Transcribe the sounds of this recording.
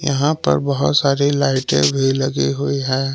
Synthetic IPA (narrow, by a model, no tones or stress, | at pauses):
jɐɦãpɐ̰ɾbɐɦʊt̪saːɾilaɪʈḛ̃bʱiləɡeɦoiɦɛː